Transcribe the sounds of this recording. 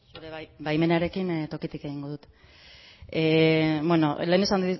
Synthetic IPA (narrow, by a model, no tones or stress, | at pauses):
suɾeβbajme̞neaɾe̞kint̪o̞kit̪ike̞ɣiŋɡo̞ðut̪ | ebwe̞nole̞ːnesand̪i